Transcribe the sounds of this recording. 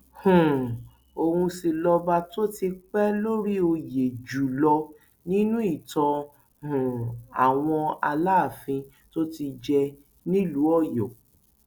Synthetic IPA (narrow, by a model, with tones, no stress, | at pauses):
hũ˨ | o˧hũ˧si˧lɔ˧ba˧to˦ti˧k͡pɛ˦lo˦ɾi˦o˧je˨d͡ʒu˨lɔ˧ | nĩ˦nũ˦i˦˨tɔ̃˧ | hũ˨a̰˨w̃ɔ̃˧a˧la˦˨fĩ˧ | to˦ti˧d͡ʒɛ˧ | nĩ˦lu˨˦ɔ˦˨jɔ˨